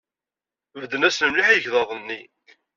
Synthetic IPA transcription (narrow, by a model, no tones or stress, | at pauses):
vəd̪ːənæsnəmliħijəçðˤɑðˤənːi